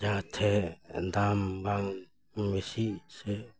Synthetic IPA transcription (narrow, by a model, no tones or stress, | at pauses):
d͡ʒãt̪ʰɛd̪ambaŋ | mesisɛ